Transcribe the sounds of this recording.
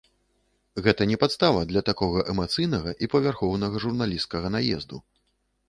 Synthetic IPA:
ɣɛt̪ɐnʲɛpat̪st̪avɐd̪lʲɐt̪akɔɣɐʔɛmat̪sɨjnɐɣɐʔipɐvʲarxɔwn̪ɐɣɐʐurnalʲiskɐɣɐnajɛ̰zd̪u

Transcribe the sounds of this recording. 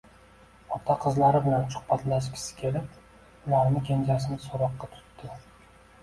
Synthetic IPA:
ɒt̪ʰɑqʰɨzlaɾɪbɪlansʊ̥χpat̪laʃ̬kʲɪ̥sɪ̥kʲʰe̞lɪp̚ | ʊlˠaɾnɪkʲend͡ʒasɪnɪsoɾɒqːɑt̪ʰʊ̥t̪ːɪ

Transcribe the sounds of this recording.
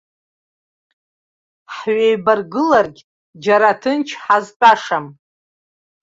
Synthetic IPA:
ħɥejbarɡɨlarɡʲ | d͡ʒaɾatʰɨnt͡ʃʰħaztʼaʂam

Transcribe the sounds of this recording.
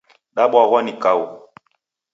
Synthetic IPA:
ɗaɓwaɣwanikawu

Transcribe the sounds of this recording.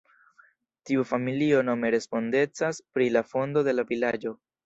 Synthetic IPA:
tiufamilio̞no̞me̞ɾe̞spo̞nde̞t͡saspɾilafo̞ndo̞de̞lavilad͡ʒo̞

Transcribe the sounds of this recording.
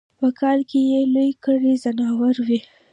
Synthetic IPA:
pəkʰɑlkʰejelojkəɽizanɑwaɾwi

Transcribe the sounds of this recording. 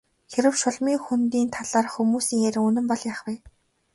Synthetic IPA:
xeɾɘ̆wʃʊɮmiːŋxunt̪iːnt̪ʰaɮaːrxumuːsiːŋeɾɘ̆ŋɵnɵ̆mpɔɮjaːχwiː

